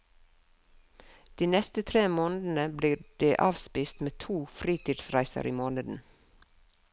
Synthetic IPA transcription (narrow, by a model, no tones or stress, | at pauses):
d̪̥iːnɛst̪ət̪ʰɾeːmoːnəd̪n̩əbliːɖ̥eːʔɑːʋspiːst̪meːt̪ʰuːfɾiːt̪iːd̪sɾæɪsə̰ɾʔiːmoːnəd̪n̩